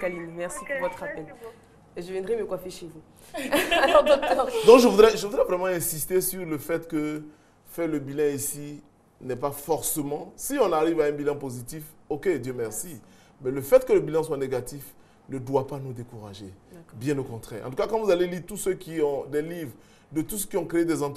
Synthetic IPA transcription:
kalinmɛʁsipuʁvɔt̪χapɛl | eʒəvjɛ̃d̪ʁjemekwafeʃevu | ad̪ɔk̚t̪ɔʁd̪ɔ̃kʒəvud̪ʁɛʒəvud̪ʁɛvʁɛmɑ̃ɛ̃sist̪esyʁləfɛt̪kə | fɛʁləbilɛ̃isi | nɛpafɔʁsəmɑ̃siɔ̃naʁivaɛ̃bilɑ̃pozit̪ifoked̪jømɛʁsi | mɛləfɛt̪kələbilɑ̃swaneɡat̪if | nəd̪wapanud̪ekuʁa̰ʒebjɛ̃dəkɔ̃t̪χɛ̰ːʁɑ̰̃t̪ukakɑ̃vuzaleliʁt̪usøkʲiɔ̃d̪ɛlivʁ | d̪ət̪usə̥kʲiɔ̃kχeed̪ɛzɑ̃t̪

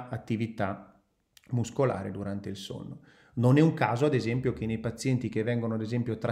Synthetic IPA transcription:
at̪ːivit̪a | muskola̰ːɾḛd̪uɾant̪eilso̰nːo | nonɛuŋkaːzoad̪ezɛmpjok̟enejpat̪sːjɛnt̪ikevːɛŋɡonoad̪ezɛmpjot̪ɾa

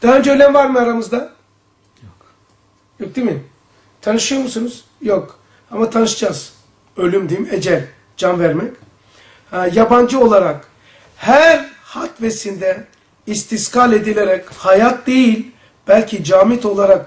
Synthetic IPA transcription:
d̪̥aaønd͡ʒɛølʲæmvaɾmɯaɾamɯzd̪a | jok̚d̪emi | t̪ʰanɯʃɯjomusunuz̥ | jok | amat̪ʰanɯʃɯd͡ʒaz̥ | ø̞lʲymd̪ied͡ʒɛlʲ | d͡ʒanvæɾmɛc | ajaband͡ʒɯo̞lˠaɾak | hæɾ | hat̪vesind̪ɛ | ist̪ʰiskalʲe̞d̪ilʲeɾɛchajat̪̚d̪e̞jilʲ | b̥ælʲcʰid͡ʒaːmit̪o̞lˠaɾak

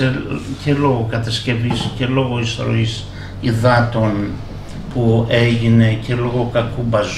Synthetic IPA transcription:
ecelo̞ɣokɐt̪ɐsce̞visce̞lo̞ɣo̞isθɾo̞̰is | iðɐt̪o̞n | pue̞ʝine̞ce̞lo̞ɣo̞kɐkubɐz

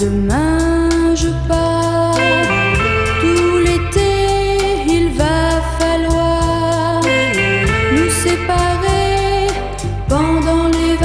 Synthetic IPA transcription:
əmɛ̃ | ʒəpa | t̪ulet̪e | ilvafalwa | ʁ | məsepaʁe | pɑ̃d̪ɑ̃lev

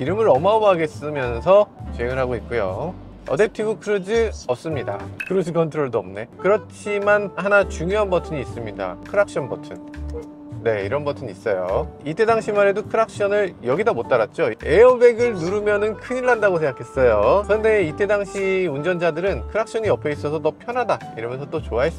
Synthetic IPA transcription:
kiɾɯmɯɾʌmaomɦaɡe̞s͈ɯmjʌnsʰʌt͡ɕeŋɯɭɦaɡoit̚k͈ujo̰ | ʌ̰deptʰibukʰɯɾɯd͡ʑɯʌs͈ɯmɲida̰kɯɾod͡ʑɯkʰʌntʰɾoɭdoʌ̰mne̞kɯɾʌt͡ɕʰimanhanat͡ɕuŋjoɦanbʌtʰɯɲiːs͈ɯmɲida̰kʰɯɾak̚ɕ͈ʌnbʌtʰɯn | ne̞iɾʌnbʌtʰɯɲis͈ʌjoit͈ʰːe̞daŋɕʰimaɾe̞dokʰɯɾak̚ɕ͈ʌnɯɭjʌɡidamot͈aɾat̚t͡ɕ͈oe̞ʌmbe̞ɡɯɭnuɾumjʌnɯnkʰɯɲiɭːandaɡosʰeŋɡakʰe̞s͈ʌjokɯɾʌnde̞itʰe̞daŋɕʰiund͡ʑʌnd͡ʑadɯɾɯnkʰɯɾak̚ɕ͈ʌɲiʌpʰeis͈ʌsʰʌt̬ʌpʰjʌnɦada | iɾʌmjʌnsʰʌt͈ot͡ɕoaɦe̞s͈

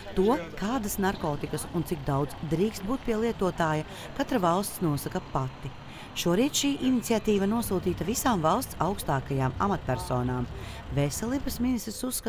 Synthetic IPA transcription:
t̪uɔkaːd̪ɐsnaɾkɔːt̪ikɐsunt̪ik̚d̪awd̪zd̪ɾiːkst̪̚buːt̪̚pʲiɛlˠiɛt̪uɔt̪aːja | kat̪ɾɐvalˠst̪snuɔsakɐpat̪ːi | ʃuɔɾiːt̪ʃiːʔinit̪siat̪iːvɐnuɔsuːt̪iːt̪ɐvisaːmvalˠst̪sawkst̪aːkajaːma̰mat̪̚pʲæɾsɔːnaːm | vesɛlˠiːbɐsminist̪ɾisusːka

